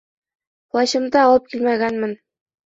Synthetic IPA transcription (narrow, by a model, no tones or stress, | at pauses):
plˠɑɕɤ̆md̪ɑɒlˠɤp̚kʲilmæɡænmɘ̆n